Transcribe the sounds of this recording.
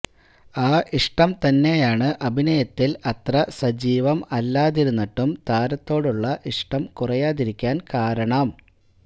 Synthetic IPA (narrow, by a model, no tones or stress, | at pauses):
aːʔiʂʈɐmt̪ɐnːe̞jaːɳɨʔɐbʱinɐjɐt̪ːilɐt̪rɐsɐd͡ʑiːʋɐmɐlːaːðiɾunːɐʈːumt̪aːɾɐt̪ːo̞ːɽuɭːɐʔiʂʈɐmkurɐjaːðiɾikʲːaːnkaːɾɐɳɐm